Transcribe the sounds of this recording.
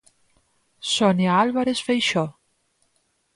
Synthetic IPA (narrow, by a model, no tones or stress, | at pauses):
sonjaalβaɾesfejʃo